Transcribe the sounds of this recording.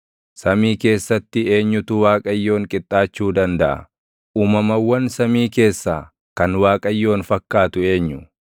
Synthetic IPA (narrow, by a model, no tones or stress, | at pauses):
sɐmiːke̞ːsːɐt̪ːɪe̞ːɲːʊt̪ʊwaːkʼɐjːo̞ːŋkʼɪt̪ʼːaːt͡ʃːuːd̪ɐnd̪ɐʔɐ̰ | ʔuːmɐmɐwːɐnsɐmiːke̞ːsːaː | kɐnwaːkʼɐjːo̞ːnfɐkːaːt̪ʊe̞ːɲːʊ